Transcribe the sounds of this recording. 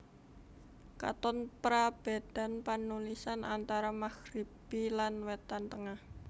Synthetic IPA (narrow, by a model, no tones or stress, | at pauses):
ka̰t̪ɔnpɾab̥a̤d̪̥a̤npanulisanʔa̰nt̪aɾamaxɾib̥ilanwɛt̪ant̪əŋah